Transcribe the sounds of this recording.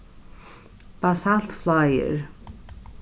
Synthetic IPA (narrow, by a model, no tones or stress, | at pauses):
b̥asalt̪flajɪ̰ɾ